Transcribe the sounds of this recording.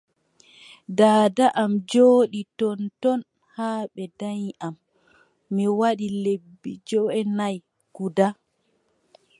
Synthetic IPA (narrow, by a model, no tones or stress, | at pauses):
daːdaʔamd͡ʒoːɗitɔntɔn | haːɓɛdaɲʔamː | iwaɗilebːid͡ʒɔɛnaj | ɡ̥uda